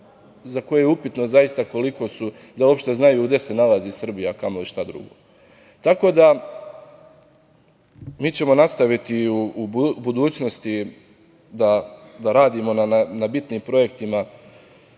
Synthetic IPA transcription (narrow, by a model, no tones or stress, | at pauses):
zako̞jejeupit̪no̞zajist̪ako̞liko̞su | d̪aopʃt̪e̞znajuːɡd̪e̞se̞nalaziːsr̩bijakamoiʃt̪ad̪ɾṵɡoː | t̪ako̞d̪a | miːt͡ɕe̞mo̞nast̪aʋit̪iuːbud̪uːt͡ɕno̞st̪i | d̪ad̪aɾaːd̪iːmo̞nananabit̪niːmpɾo̞je̞k̚t̪ima